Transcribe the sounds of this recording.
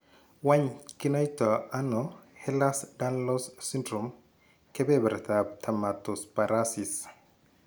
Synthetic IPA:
waɲkinɔjtɔanɔhɛlasdanlɔssindɾum | kɛbɛbɛɾɛt̪ab̚tʰamatɔspaɾasis

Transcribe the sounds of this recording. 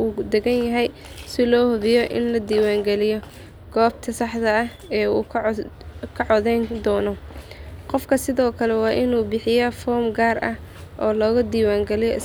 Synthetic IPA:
uːd̪ɛɡɐnjɐɦɛj | sɪlɔːhʊβɪjɔʔɪ̰nlɐd̪iːwaːŋɡɛlɪjɔ | ɡ̥ɔːb̚t̪ʰɐsɑħd̪ɐɐh | ɛːuː | kʰɐʕɔðɛjnd̪ɔːnɔ | qɔfkʰɐsɪðɔːkʰɐlɛwɑːʔɪnuːbɪħɪjɐfɔːmɡaːrʔɐ̰h | ʔɔːlɔːɣɐd̪iːwaːŋɡɛlɪjɔɪs

